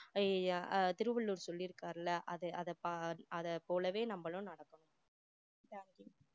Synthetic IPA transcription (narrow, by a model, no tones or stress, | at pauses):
t̪ɪɾɯʋɐɭːuːɾsɔlːɪɾɯkːaːɾɐlːɐʔɐðɯʔɐðɐpaɐðɐpoːlɐʋeːnɐmbɐɭʊ̃nɐɽɐkːɐɳʊ̃m | t̪aːŋkj